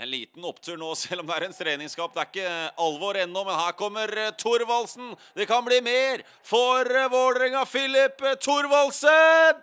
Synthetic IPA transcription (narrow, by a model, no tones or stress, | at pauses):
ɛnlḭːt̪n̩ɔpt̪ʰʉːɳoːsɛlːɔmd̪ɛæɾɛnt̪ʰɾeːnɪŋskɑːp̚d̪ɛæɾɪkːəʔɑlʋoːɾɛnːɔmɛnhæːɾkʰɔmːəɾt̪ʰʊɾʋɑlsn̩d̪ɛkɑnbliːmeːɾ | fɔɾʋoːɖɾɪŋɑfɪlɪpːt̪ʰʊɾʋɑlsə